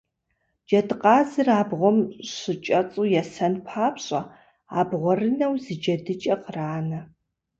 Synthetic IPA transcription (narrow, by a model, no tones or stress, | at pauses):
d͡ʒɐdɨqɑːzɨraːbʁʷɔmɕɨt͡ʃʼɐt͡sʼujɛsɐnpʰaːpʰɕʼɐ | a̰ːbʁʷɔrɨnɐwzɨd͡ʒɐdɨt͡ʃʼɐqraːnɐ